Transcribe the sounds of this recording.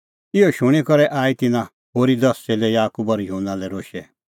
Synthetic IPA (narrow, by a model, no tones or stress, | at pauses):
ɪɔʃʊɽ̃ikɔɾɛʔaːit̪ɪnã | ɦoːɾid̪ɐsɛlɛjaːkubɔɾjɦunãlɛɾoːʃɛ